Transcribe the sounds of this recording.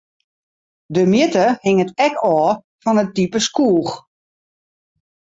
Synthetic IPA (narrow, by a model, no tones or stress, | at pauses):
dəmjɪtəhɪŋətɛkɔː | fɔnət̚ipəskuːx